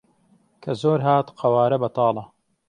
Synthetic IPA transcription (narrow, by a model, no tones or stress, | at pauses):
kʰɐzoːɾɦaːt̪qʰɐwaːɾɐbɐt̪ɑːlɐ